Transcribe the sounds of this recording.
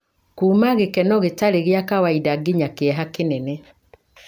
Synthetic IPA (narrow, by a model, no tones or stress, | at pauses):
kuːmaɣekɛnɔɣetaɾeɣeakawaidaɡeɲakeɛɦakenɛne